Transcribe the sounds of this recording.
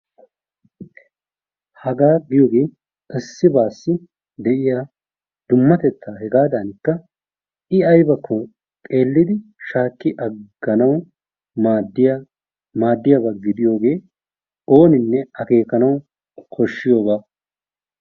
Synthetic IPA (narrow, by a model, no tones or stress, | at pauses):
hɐɡaːɡɪjo̞ːɡe̞ː | ɪsːɪbaːsːɪ | d̪ɛʔɪja | d̪̥ʊmːɐt̪ɛt̪ːaːɦɛɡaːd̪ɐnɪkːɐ | ɪɐjbɐkːɔ | t̪ʼe̞ːlːɪd̪ɪʃaːkːɪʔɐɡːɐnɐw | maːd̪ːɪj | maːd̪ːɪjabɐɡɪd̪ɪjo̞ːɡe̞ː | o̞ːnɪnːɛɐke̞ːkɐnɐw | kʰɔʃːɪjo̞ːbaː